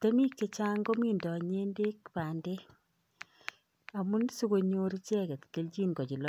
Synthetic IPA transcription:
te˦mi˦kːe˦t͡ʃa˦ŋɡo˦mi˦ndɔ˨ɲe˦nde˦kpa˨nde˦ | a˨mu˦nsu˦ko˨ɲo˦ɾi˦t͡ʃɛ˦kɛ˨t̪ke˨˦lt͡ʃi˦nɡɔ˨t͡ʃi˨lɔ˦

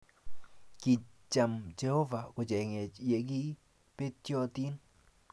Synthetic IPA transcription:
ki˨t͡ʃa˨md͡ʒe˧ho˦va˨ko˨d͡ʒɛ˨ŋɛ˨je˨ɡi˦ | pe˦t̪jɔ˧t̪i˦n

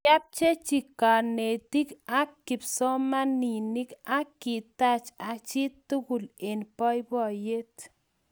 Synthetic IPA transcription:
a˦p̚t͡ʃe˦t͡ʃi˨ka˨ne˨t̪i˦ka˦kːi˨psɔ˦ma˦ni˨ni˦ka˦kːi˨t̪a˦t͡ʃa˨t͡ʃi˦t̪u˦ku˨le˨npɔ˦jbɔ˦˨je˦t̪

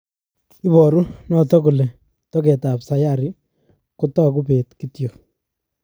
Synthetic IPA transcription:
i˦bɔ˨ɾu˦nɔ˨tɔ˦ku˨lɛ˨ | tɔkɛ˨ta˨psa˨jaɾɪ˦ | kʊtɔ˦k̬u˦pe˨tkitjo˨k

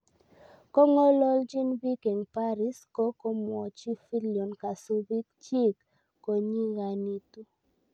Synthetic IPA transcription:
kɔ˦ŋo˦lɔ˦ld͡ʒi˦nbi˦ke˨ŋpa˦ɾɪ˦skɔ˦kɔ˦mwɔ˨t͡ʃi˦fi˦ljɔ˨nka˨su˦bi˦k̚t͡ʃi˦kː | o˨ɲi˦ɣa˨ni˦tu˦

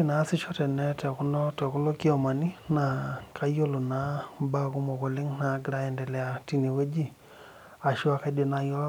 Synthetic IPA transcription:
i˦na˨˦si˦ʃɔ˦tɛ˨nɛ˦tɛ˨ku˦nɔ˦tɛ˨ku˦lo˦ki˦ɔ˨ma˨ni˦na˨kʰa˦jo˦lo˨na˦ba˦ku˦mɔ˨ko˨le˦ŋna˨˦ɡi˦ɾa˦ɛ˨ndɛ˨lɛ˨a˨ti˨ni˨we˦d͡ʒi˦ | a˨ʃi˦a˨ka˦de˨na˦jɔ˦

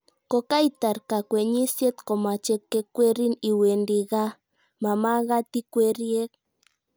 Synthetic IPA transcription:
kɔ˨ka˦i˨t̪a˨ɾka˨kwɛ˨ɲi˦sjɛ˦t̪kɔ˨ma˨t͡ʃɛ˦kːɛ˦kwɛ˦ɾi˦ni˨we˨ndi˨ɣa˦ | ma˨ma˦ɣa˦t̪i˦kwɛ˦ɾje˦k̚

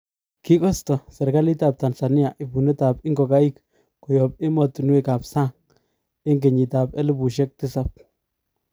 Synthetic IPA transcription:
ki˦kɔ˦st̪ɔ˨se˨ɾka˦li˦t̪a˨p̚t̪a˨nɬa˨ni˦ja˨ʔi˨bu˨nɪ˦t̪a˨pɪ˦ŋɡo˨ka˦i˦k | kɔ˨jɔ˨p̚ɪ˦mɔ˦t̪u˨nwe˦˨ka˨psa˦˨ŋ | ɪ˦ŋɡ̬e˨ɲi˨t̪a˨pe˦li˦bu˨ʃ̬e˦k̚t̪ɪ˦sa˨p̚

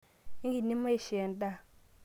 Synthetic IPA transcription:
i˦ŋɡi˨nːi˦mːa˦i˦˨ʃe˨n˦da˦˨

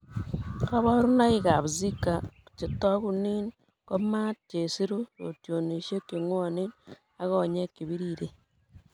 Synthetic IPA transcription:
ka˦βɔ˦ɾu˦na˦i˦ka˨βzi˦kːa˨t͡ʃe˨tɔ˦ku˦ni˦n | ko˦ma˦t̚t͡ʃe˨si˦ɾu˦ɾo̰˨tjo˨ni˨ʃe˦kːi˨ŋwɔ˦ni˦n | a˦ɣɔ˦˨ɲe˦ki˨βi˦ɾiɾe˨

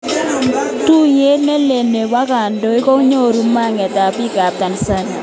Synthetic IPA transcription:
tu˦je˦lnɛ˦le˨ne˨wa˦ka˨ndo˦i˦kɔ˦ɲo˦˨ɾu˦ma˦˨ŋɛ˨ta˨pi˦ka˨p̚ta˨n˨sa˦ɲ

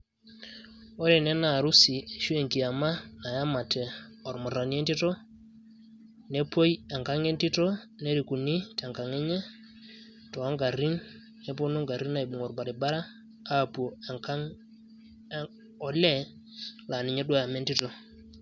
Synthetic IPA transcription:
ɔ˦ɾɛ˨nɛ˦na˨ɾu˦si˨ʃu˦ɛ˨ŋki˨a˨ma˦na˨ja˦ma˨tʰɛ˨ɔ˨ɾmɔ˨ɾa˨ni˦ɛ˦nti˦tɔ˦ | nɛ˦po˦ja˨ŋka˦ŋɛ˦nti˦tɔ˦ | nɛ˦ɾi˨ku˨ni˦ta˨ŋka˨ŋɛ˦ɲɛ˦ | tɔ˨a˦ŋɡa˨ɾi˦nː | ɛ˦p̬o˦no˦ŋɡa˨ɾi˦na˨i˨ɓu˨ŋɔ˨ɾba˨ɾɛ˨ba˦ɾaː˦˨ | pu˨o˨˦ | ɔ˨lɛ˦ | la˨ni˨ɲɛ˦ɗwa˦ja˨mɛ˦nti˦tɔ˦

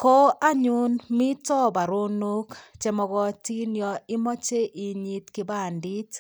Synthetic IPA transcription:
ko˦ʔa˦ɲʊ˦nmi˦tɔ˦ba˨ɾo˦no˦kt͡ʃɛ˨mɔ˨ɡɔ˦ti˦njɔ˨ɪ˦mɔ˦t͡ʃe˦ʔɪ˨ɲi˦tkɪ˦ba˦˨ndi˦t

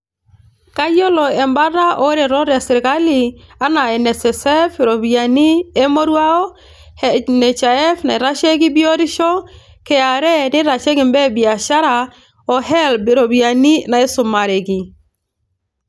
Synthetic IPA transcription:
ka˦jo˦lɔ˨ɛ˨mba˦ɾa˦ʔo˦ɾe˨ɾɔ˦ɾja˨sɪ˨ɾɪ˨ka˦li˨a˦na˨ɛ˨nɛ˨sɛ˨sɛ˦fɾo˨bia˨ni˦e˦mo˦ɾwa˦ɔ˦ | hnɛ˨t͡ʃa˨ɛ˦fna˨ɛ˨ɾa˦ʃe˦ɡɪ˦bi˦o˦ɾɪ˦ʃɔ˦ | kɛ˨a˨ɾɛ˦nɪ˦ɾa˨t͡ʃe˦ɡɪ˨mbɛ˦bi˨a˨ʃa˦ɾa˨ | ɔ˨ɦɛ˦lbɾo˨bi˨a˨ni˦na˨ɛ˦sʊ˨ma˨ɾe˨ɡɪ˨

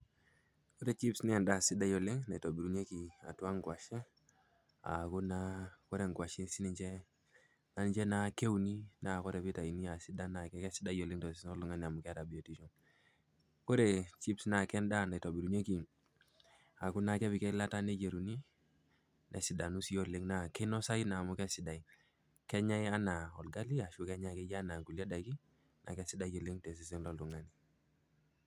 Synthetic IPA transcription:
ko˦ɾe˨t͡ʃi˦psnɛ˦˨nda˨si˦da˦jo˨li˦ŋna˨to˨bi˨ɾu˨ɲe˦ki˨a̰˨tu˦a˦ŋɡwa˨ʃe˦ | a̰˨ku˦na˦ko˦ɾe˨ŋɡwa˨ʃi˦nsi˦ni˨t͡ʃɛ˦ | na˦nd͡ʒe˦na˦ke˦u˦ni˦na˨kɔ˦ɾɛ˨bi˦ta˨i˨ni˦a˨si˦da˦na˨kɛ˦kɛ˦si˦da˦jo˨li˦ŋto˨snɔ˦lu˨ŋa˦ni˨a˨mu˨kɛ˦a˦ta˨bi˨o˨ti˦ʃo˨n | ko˦ɾe˨t͡ʃi˦psna˨kɛ˦nda˦˨na˨to˨bi˨ɾu˨ɲe˦ki˨ | a˨ku˦na˨kɛ˦bi˨kɛ˦la˦ta˦ne˦d͡ʒe˨ɾu˨ni˦ | nʔɛ̰˨si˨da˨nu˦si˦jo˦le˦ŋna˨kɛ˦nɔ˦sa˦i˦naː˨mu˦kɛ˦sɪ˨da˨i˨ | kɛ˦ɲa˦ja˦na˨ɔ˨lɡa˦li˦a˨ʃu˦kɛ˦ɲa˨kɛ˦d͡ʒa˦na˨ku˨li˦a˦da˨ki˦ | nʔa̰˨kɛ˦si˦da˦jo˨le˦ŋte˨s̬i˨s̬i˦ŋlɔ˦lu˨ŋa˦ni˨

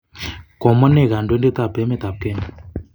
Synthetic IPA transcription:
kɔ˨mə˦ne˦˨ɣa˨ndwe˦nde˦t̪a˦˨bɛ˨˦me˦t̪a˨p̚kɛ˦n˨

